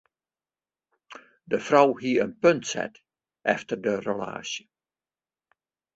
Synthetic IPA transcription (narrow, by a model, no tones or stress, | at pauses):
dəfrɔwɦiəənpɵntsɛ̰t | ʔɛ̰ftərdərəla̰ːʃjə